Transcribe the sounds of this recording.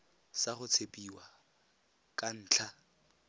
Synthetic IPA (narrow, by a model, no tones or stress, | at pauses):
saχʊt͡sʰepʼiwa | kʼan̩ːt͡ɬʰa